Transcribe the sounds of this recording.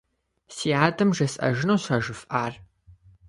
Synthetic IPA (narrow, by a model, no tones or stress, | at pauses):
siːaːdɨmʒɐsʼɐ̰ʒɪnuːɕaːʒɨfʔaːr